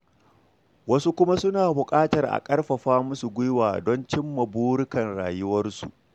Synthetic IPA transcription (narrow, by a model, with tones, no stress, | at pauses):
wɐ˦su˦kʷʊ˦ma˦sʊ˦naː˨bʊ˨kʼaː˦tɐ˨rʔa̰˨kʼɐ˦rɸɐ˨ɸaː˦mʊ˦su˨ɡʷʊ˦jwaː˨dɔ˦nt͡ʃɪ˦mːɐ˨buː˦ɽʊ˦kɐ˨nɽa̰ː˨jʊ˦wɐ˦rsṵ˨ʔ